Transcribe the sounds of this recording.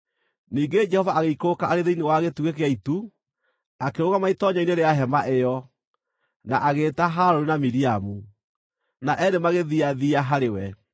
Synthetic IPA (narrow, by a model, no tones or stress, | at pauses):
niːŋɡed͡ʒɛhɔvaʔaɣeikokaaɾeðeinewaɣetuɣekeaitu | akeɾoɣamaitɔɲaineɾeaɦɛmaʔejɔ | naʔaɣeːtaɦaɾoɾinamiɾiamu | naʔɛdemaɣeðiaðiaɦaɾewɛ